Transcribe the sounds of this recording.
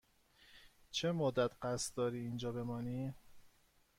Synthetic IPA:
t͡ʃʰemod̪æt̪ʰɢæst̪d̪ɒːɾiːnd͡ʒɒːbe̞mɒːniː

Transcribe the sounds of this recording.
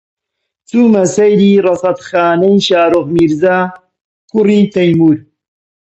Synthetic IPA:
θumːasajliːɾˤɑsˤɑt̪xaːnajʃaːɾˤoɣmiɾzaː | kuɾit̪ajmuɾ

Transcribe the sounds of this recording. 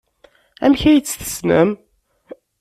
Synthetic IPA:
æ̰mçæjət͡sːθə̥snə̰m

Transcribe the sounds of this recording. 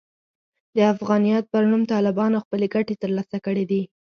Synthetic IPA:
d̪əafɣɑnijɑt̪̚pəɾnumt̪ɑlɪbɑnoxpəleɡaʈet̪əɾlɑsakəɽid̪i

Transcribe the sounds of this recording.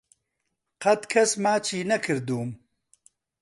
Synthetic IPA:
qɐt̪kʰɐsmaːt͡ʃʰiːnɐkʰɨɾd̪uːm

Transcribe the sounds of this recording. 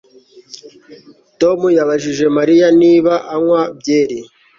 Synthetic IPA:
to̞mujaβaʒiʒe̞maɾijaniːβaʔaŋwabjeːɾi

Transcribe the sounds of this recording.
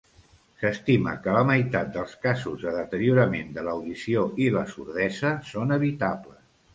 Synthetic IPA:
səst̪imə̰kələməjt̪at̪̚d̪əlˠskazuzðəðət̪əɾiuɾəmend̪ələwðisioiləsuɾðɛzəsonəβ̞it̪aβləs

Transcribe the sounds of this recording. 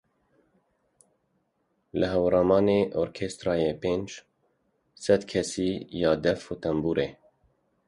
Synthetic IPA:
ləɦɛwɾɑːmɑːneʔoːɾkʰeːst̪ɾɑːjeːpeːnd͡ʒ | sɛd̪kʰɛsiːjɑːd̪ɛvfot̪ɛmbuːɾeː

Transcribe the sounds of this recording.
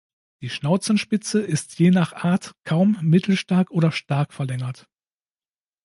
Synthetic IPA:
d̥iːʃnaʊt͡sn̩ʃpɪt͡səʔɪstʰjeːnaχʔaːɐtkʰaʊmːɪtʰl̩ʃtaɐkʔoːɾɐʃtaɐkfɛɐlɛŋɐt

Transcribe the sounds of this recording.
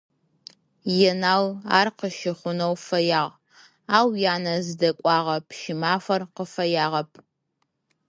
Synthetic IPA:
jɛnaːwa̰ːrqəʃɪχʷʊnɐwfɐjaːʁ | aːwjaːnɐzɨdɐkʷʼɑːʁɐpʰʃɪmaːfɐrqəfɐjaːʁɐpʰ

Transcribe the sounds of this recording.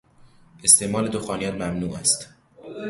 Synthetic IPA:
ʔe̞st̪ʰeʔmɒːle̞d̪oxɒːnijɒnmæmnuːʔæst̪

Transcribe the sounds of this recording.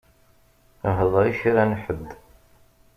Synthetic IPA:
ɦəðˤɾˤiʃiɾænħəd̪

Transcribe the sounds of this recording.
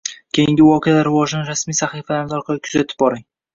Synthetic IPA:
kʲʰejɪŋɡʲɪwɒqʰɪalaɾɪvɒʒɪnɪɾasmijsaχifalanɪd̪ɒɾqʰɑlɪkʰʊ̥zat̪ʰɪ̥p̚bɒɾɪŋ

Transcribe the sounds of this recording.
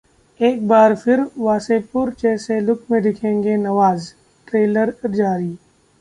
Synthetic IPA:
eːk̚baːɾfʰɪɾʋaːsepʊɾt͡ʃɛːselʊkʰmẽd̪ɪkʰẽːŋɡenɐʋaːz | ʈɾeːləɾd͡ʒaːɾiː

